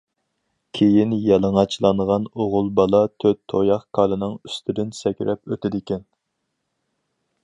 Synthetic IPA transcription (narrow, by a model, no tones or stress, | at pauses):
kʲʰejinjɑlˠəŋɑt͡ʃʰlˠɑnʁɑnoʁʊlˠbɑlˠɑt̪ʰøt̪ʰːojɑχkʰɑlˠɨnɨŋyst̪ʰɪd̪ɪnsɛkʲɾɛpøt̪ʰɪd̪ɪkʲɛn